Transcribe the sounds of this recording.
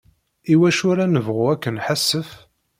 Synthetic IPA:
iwæʃʊɾænəvʁuækːənħasːəf

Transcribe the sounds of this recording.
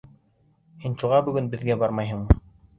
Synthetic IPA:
hinʃuʁɑbɵ̆ɡɵnbɘ̆ðɡæbɑɾmɑjɦɤ̆ɴm

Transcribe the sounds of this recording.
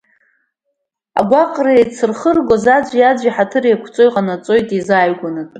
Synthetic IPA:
a̰ɡʷaqʼraet͡sʰɨrχərɡʷozad͡ʒʷijad͡ʒʷiħatʰɨrekʷʰt͡sʼojqʼanat͡sʼo̞jtʼizajɡʷanɨtʼ

